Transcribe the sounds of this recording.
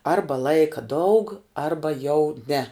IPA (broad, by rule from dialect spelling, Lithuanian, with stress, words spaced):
ˈɐrbɐ ˈlˠɐɪkɐ dɐʊk ˈɐrbɐ jɛʊ nʲɛ